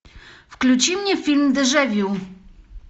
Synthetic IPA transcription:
fklʲut͡ɕimɲɛfʲilmd̪ɘʐɛvʲjuw

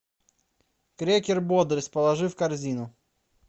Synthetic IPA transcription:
kɾʲekʲɪrbod̪ɾʲəsʲpəlˠɐʐɨfkɐrzʲinʊ

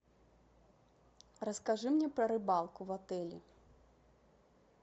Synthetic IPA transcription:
rɐskaʐɨmnʲɛpɾɐɾɨbalˠkuvat̪ɛlʲḭ

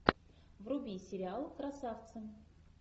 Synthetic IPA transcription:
vrʊbʲisʲɪɾʲɪalˠkɾɐsaft̪səm

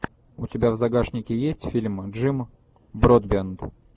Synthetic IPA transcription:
ʊtʲɪbʲavzɐɡaʂnʲɪkʲɪjesʲtʲfʲilʲmʐɨm | bɾod̪bʲent̪

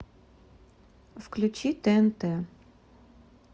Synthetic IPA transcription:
fklʲʊt͡ʃit̪ɛnt̪ɛ

